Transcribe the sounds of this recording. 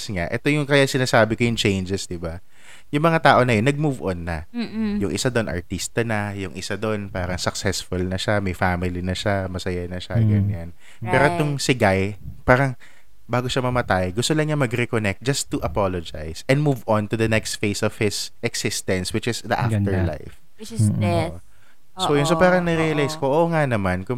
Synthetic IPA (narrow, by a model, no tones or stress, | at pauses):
sŋaʔɛt̪ojʊŋkɐjasɪnaːsaːbɪkojʊŋt͡ʃẽjnd͡ʒɛsd̪ɪba | jʊŋmɐŋat̪aːʔo̞nɐjonːɐɡ̚muvo̰nːɐjʊŋʔɪsad̪oʔonɐ̰ɹt̪ist̪ɐnɐjʊŋʔɪsad̪oʔonpaːɾɐŋsɐksɛsfʊlnɐʃamɐjfaːmɪlinɐʃamɐsɐjanɐʃaɡɐɲːan | pɛːɾot̪ʊŋsɪɡajpaːɾɐŋ | baːɡo̞ʃamɐmɐt̪ajɡʊst̪olɐŋɲamɐɡɾɛkonɛk̚t̪̚d͡ʒɐst̪ːʊʔɐpolod͡ʒa̰jsɛ̃nd̪muvont̪ʊd̪ɐnɛkst̪fejsɔv̥hɪsʔɛksɪst̪ɛ̃nswɪt͡ʃɪsd̪ɐʔa̰fft̪ɛɹla̰jf | sojʊnsopaːɾɐŋnɐɾijɐlajskoʔoŋanɐmankʊ